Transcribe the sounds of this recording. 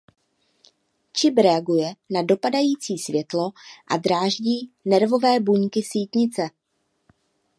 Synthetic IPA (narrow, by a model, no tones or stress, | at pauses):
t͡ʃɪbɾɛaɡujɛnado̞padajiːt͡siːsvjɛt̪lo̞ʔadɾaːʒɟiːnɛɾvo̞vɛːbuɲkɪsiːt̪ɲɪt͡sɛ